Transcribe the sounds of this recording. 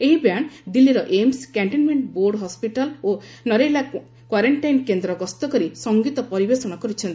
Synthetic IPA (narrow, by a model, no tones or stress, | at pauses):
eɦibaɳd̪ilːiɾɔʔemskaɳʈinmeɳʈboɾɖɦɔspiʈalonɔɾela | kwaɾeɳʈajnkend̪ɾɔɡɔst̪ɔkɔɾisɔŋɡit̪ɔpɔɾibesɔɽ̃ɔkɔɾit͡ʃʰɔnt̪i̥